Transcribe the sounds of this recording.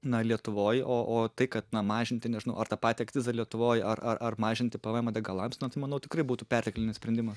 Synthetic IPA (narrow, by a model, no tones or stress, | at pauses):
nɐlʲiɛt̪ʊʋoːjoːʔoːt̪ɐɪkɐt̪nɐmɑːʒʲɪnʲt̪ʲɪnʲɛʒʲɪnɐʊɐrt̪ɑpɑːt̪ʲiɐkt̪ʲɪzɐlʲiɛt̪ʊʋoːjɐrʔɐʔɐrmɑːʒʲɪnʲt̪ʲɪpɐʋɑːjmɐd̪ʲɐɡɐlˠɐmsnɐt̪ɐɪmɐnɐʊt̪ʲɪ̥krɐɪbuːt̪uːpʲɛrʲt̪ʲɪklʲɪnʲɪsʲpʲɾʲɛnʲd̪ʲɪmɐs